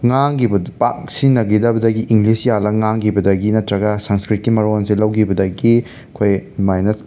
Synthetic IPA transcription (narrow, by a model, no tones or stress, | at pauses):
ŋaŋɡibɐpak̚sinːɐɡidɐbɐdɐɡiʔiŋɡlisjalɐŋaŋɡibɐdɐɡinɐtɾɐɡɐsɐnskɾit̚kimɐɾonsilɐwɡibɐdɐɡi | kʰojmajnɐs